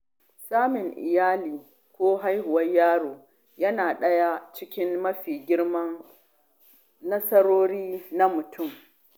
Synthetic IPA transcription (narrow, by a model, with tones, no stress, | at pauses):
saː˦mɪ˨ŋʔɪ̰˨jaː˦liː˨ | kʷoː˦ɦa˦jhʊ˨wɐ˦ɲjaː˦ɽoː˨ | jɐ˦naː˨ɗɐ˦ja˦t͡ʃɪ˦kʲɪ˦nmɐ˦ɸiː˨ɡʲɪ˦ɽmɐ˦n | nɐ˦sɐ˦ɽoː˦ɽiː˦na˦mʊ˨tʰʊ˦˨m